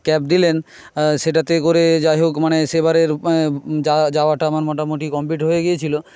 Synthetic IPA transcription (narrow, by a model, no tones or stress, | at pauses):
kɛp̚d̪ilen | ʃeʈat̪ekoɾed͡ʑaɦokmanesebaɾeɾd͡ʑad͡ʑaoaʈaamaɾmɔʈamoʈikɔmpiʈɦojeɡejet͡ɕʰilo